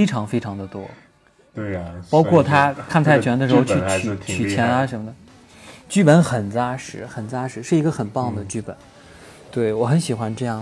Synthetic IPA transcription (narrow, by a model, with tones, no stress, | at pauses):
e˥ɪʈ͡ʂʰɑ˧˥ŋfe˥ɪʈ͡ʂʰɑ˧˥ŋd̪ə˧t̪wɔ˥ | pɑ˥ʊkʰwɔ˥˩t̪ʰa˥kʰa˥˩nt̪ʰa˥˩ɪt͡ɕʰɥɛ˧˥nd̪ə˧ʂɻ̩˧˥xo˧ʊt͡ɕʰy˥˩t͡ɕʰy˨˧˩t͡ɕʰy˨˩t͡ɕʰjɛ˧˥na˧ʂə˧˥nmə˧d̪ə˩ | t͡ɕy˥˩pə˧˥nxə˨˩nt͡sa˥ʂɻ̩˧˥xə˨˩nt͡sa˥ʂɻ̩˧˥ʂɻ̩˥˩i˧˥ɡə˧xə˨˩npɑ˥˩ŋd̪ə˩t͡ɕy˥˩pə̰˨˩˦n | t̪we˥˩ɪwɔ˨˧˥xə˧˥nɕi˨˩xwa˧˥nʈ͡ʂɤ˥˧jɑ˥˩